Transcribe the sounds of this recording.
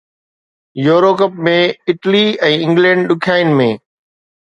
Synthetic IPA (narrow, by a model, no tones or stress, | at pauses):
joːɾoːkəp̚mẽɪʈliɛ̃ːɪ̃ŋɡlɛ̃ːɳɖɗʊkʰaːɪnɪ̆mẽː